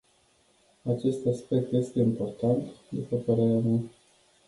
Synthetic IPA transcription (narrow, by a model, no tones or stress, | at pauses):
at͡ʃe̞st̪aspe̞k̚t̪je̞st̪e̞impo̞rt̪ant̪d̪upəpəɾe̞ɾeama